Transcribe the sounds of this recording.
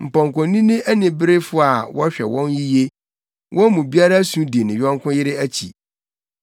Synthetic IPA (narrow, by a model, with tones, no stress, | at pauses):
m̩˨pɔ̃˨ŋ˨kɔ̃˨nĩ˦nɪ̃˦ʔæ˦nɪ̃˨bɪ˦ɾe˦fʊ˦a˨wɔ˦ɕᶣɛ̰˨wɔ̃˦nji˦je˦ | wʔɔ̃˦mũ˨bi˦a˦ɾa˦sũ˦di˨nɪ̃˨ɥᶣɔ̃˦ŋkʰʊ̃˦jɪ˦ɾɪ˦æ˦t͡ɕʰḭ˨